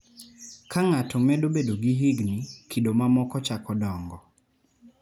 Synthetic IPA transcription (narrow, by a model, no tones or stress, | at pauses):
kʰaŋatɔmɛdobedoɡiɦiɡnikʰidomamɔkɔt͡ʃakɔdɔŋɡɔ